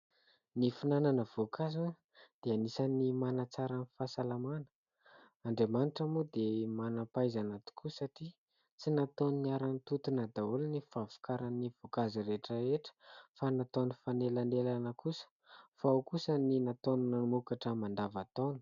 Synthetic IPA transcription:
nifinananəv̥okʰazu | d̪̥eanisanimanat͡saɾanifasalamanə̥ | aɳɖ͡ʐemanʈ͡ʂamud̪emanapajzanat̪u̥kʰusaʈ͡ʂi | t͡sinat̪onuniaɾanit̪ut̪unad̪aulnifavu̥kaɾaniv̥okaziɾeʈ͡ʂaeʈ͡ʂə̥fanat̪onifanelanelanəkusə̥ | faawkusəninat̪onunanumukaʈ͡ʂəmand̪avat̪onu̥

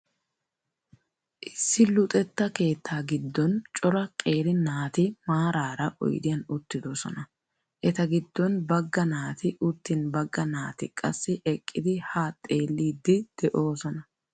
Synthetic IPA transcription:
ʔɪsːɪlʊt̪ʼɛt̪ːɐke̞ːt̪ʰːaːɡɪd̪ːɔnt͡ʃʼɔɾɐkʼe̞ːɾɪnaːt̪ɪmaːɾaːɾɐʔɔ̰jd̪ɪjɐnʊt̪ːɪd̪osɔnɐ | ʔɛt̪ɐɡɪd̪ːɔnbɐɡːɐnaːt̪ɪʔʊt̪ːɪnbɐɡːɐnaːt̪ɪkʼɐ̰sːɪʔɛkʼːɪd̪ɪhaːt̪ʼːe̞ːlːiːd̪ːɪd̪̥ɛʔo̞ːsɔnɐ

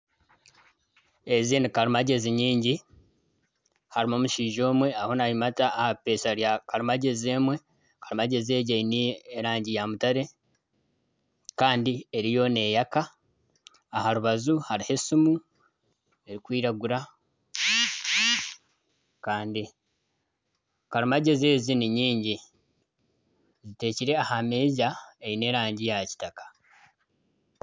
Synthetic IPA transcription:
e̞zinikaɾimaɟe̞ziɲiːɲɟi | haɾimomuʃiːʒo̞ːmwe̞aho̞najimataːhape̞ːʃaɾjakaɾimaɟe̞ze̞ːmwe̞ | kaɾimaɟe̞ze̞ːɟeinieɾaːɲɟijamutaɾe̞ | kaːndieɾijo̞ne̞ːjakaː | haɾuβazuhaɾihesumu | e̞ɾikwiːɾaɡuɾa | kaːndi | kaɾumaɟe̞ze̞ːziniɲiːɲɟi | zite̞ːciɾe̞ahamezaejine̞ːɾaːɲɟijaci̥takḁ

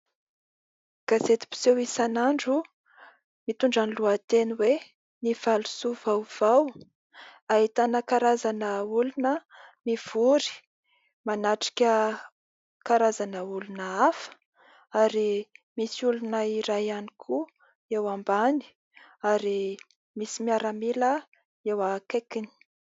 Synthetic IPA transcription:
ɡ̥azet̪i̥pi̥sewisanaɳɖ͡ʐu | mit̪uɳɖ͡ʐaniluat̪eniwe | niv̥alu̥suvawv̥aw | aɦit̪anəkaɾazanəulunəmiv̥uɾi̥ | manaʈ͡ʂi̥kʲə | kaɾazanəulunəafə̥ | aɾimisiulunəiɾajanikʰu | ewambani̥ | aɾi | misimiaɾamilə | ewakekini̥

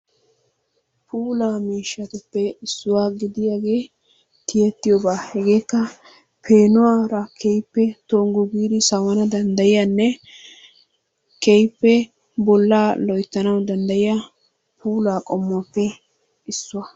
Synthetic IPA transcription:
pʰuːlaːmiːʃːɐt̪ʊpːɛɪsːʊwaːɡɪd̪ɪjaːɡe̞ː | t̪ɪjɛt̪ːɪjobaːhɛɡe̞ːkːɐ | pʰeːnʊwaːɾɐkʰɛjpːɛt̪oːŋɡʊɡiːd̪ɪsɐwɐnɐd̪ɐnd̪ɐjɪjanːɛ | kɛjpːɛ | bɔlːaːlɔjt̪ːɐnɐwd̪ɐnd̪ɐjɪja | pʰuːlaːkʼɔmːɔpːɛ | ɪsːʊwɐ

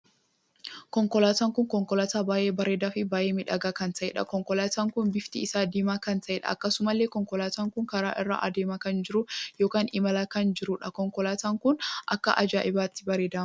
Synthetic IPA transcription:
kɔŋkɔlaːt̪aːŋkʊŋkɔŋkɔlɐt̪aːbaːʔe̞ːbɐɾe̞ːd̪aːfɪbaːʔeːmɪᶑɐɡaːkɐnt̪ɐʔɛ̰ᶑɐ̰kɔŋkɔlaːt̪aːŋkʊnbɪft̪ɪːsaːd̪iːmaːkɐnt̪ɐʔɛᶑɐ̰ːkːɐsʊmɐlːeːkɔŋkɔlaːt̪aːŋkʊŋkɐɾa̰ːʔɪrːa̰ʔɐd̪eːmɐkɐnd͡ʒɪɾʊjoːkaːnɪmɐlɐkɐnd͡ʒɪɾuᶑɐkɔŋkɔlaːt̪aːŋkʊnʔɐkːɐʔɐd͡ʒaːʔɪbaːt̪ːɪ̥bɐɾeːd̪aː

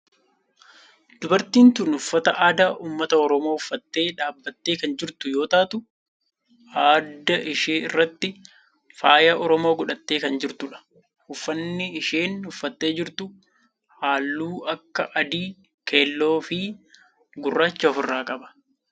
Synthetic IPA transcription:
d̪̥ʊbɐɾt̪iːnt̪ʊnʊfːɐt̪ɐʔaːd̪aːʔuːmːɐt̪ɐɔɾɔmoːʊfːɐt̪ːe̞ːᶑaːbːɐt̪ːe̞ːkɐnd͡ʒɪɾt̪ʊjo̞ːt̪aːt̪ʊ | aːd̪ːɐʔɪʃeːɪrːɐt̪ːɪ | faːjɐʔɔɾɔmo̞ːɡʊᶑɐt̪ːe̞ːkɐnd͡ʒɪɾt̪ʊᶑɐ̥ | hʊfːɐnːɪɪʃe̞ːnʊfːɐt̪ːe̞ːd͡ʒɪɾt̪ʊ | haːlːuːɐkːɐʔɐd̪iː | kʰe̞ːlːo̞ːfɪ | ɡʊrːaːt͡ʃːɐɔfɪrːaːkʼɐbɐ̥

